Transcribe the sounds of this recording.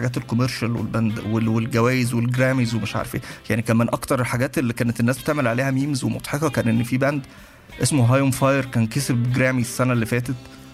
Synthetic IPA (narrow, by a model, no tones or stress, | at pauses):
ɡæːt̪elkomeɾʃælwḛlbænd̪wewelɡæwæːjezwelɡɾæːmizwemeʃʕa̰ːɾfḛːjaʕnikæːnmenʔɑkt̪ɑɾˤelħaɡæːt̪elːikæːnet̪enːæːsbet̪eʕmelʕaleːhæmiːmzwemo̰t̪ˤħeqɑkæːnʔenːfiːbænd̪ | ʔesmoɦɑːjomfɑjeɾkæːnkesebɡɾæːmisːænælːifæːt̪et̪